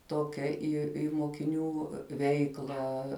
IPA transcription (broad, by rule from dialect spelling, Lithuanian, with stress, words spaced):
ˈtoːkʲɛ ˈiː ɪ moːkʲɪˈnʲuː ˈʋʲɛɪklˠɑː